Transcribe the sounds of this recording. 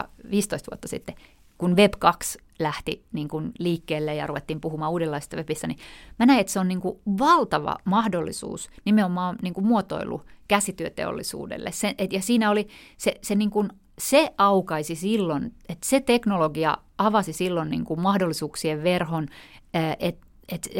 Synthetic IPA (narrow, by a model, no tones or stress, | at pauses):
ʋiːst̪oist̪ʋuot̪ːɑsḭt̪ːe | kunʋeb̥kɑks | læht̪ḭniːŋkunliːkːeːlːejɑ̰ruʋet̪ːiːmpuhumɑːuːdelːɑise̥st̪ɑʋepist̪ænimænæiet̪seonniːŋkuʋɑlt̪ɑʋɑ̰mɑhdolːḭsṵːsnimeomɑːniːŋkumuot̪o̰ilṵkæsit̪yøt̪ḛo̰lːisṵːdḛlːḛssenʔet̪jɑsiːnæoliseseniːŋkun | seɑukɑisisilːonet̪set̪eknoloɡiɑ̰ | ɑʋɑsisilːonnḭːŋkummɑhdolːisuːksieʋʋerhonːʔet̪ | et̪